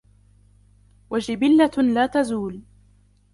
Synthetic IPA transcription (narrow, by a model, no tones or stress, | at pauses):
wad͡ʒɪbɪlːalaːt̪azuːl